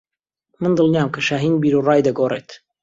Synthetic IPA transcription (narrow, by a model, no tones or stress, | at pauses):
mɨnd̪ɨlˠnijaːmkɐʃaːɦiːnbiːɾurɑːjd̪ɐɡoːret̪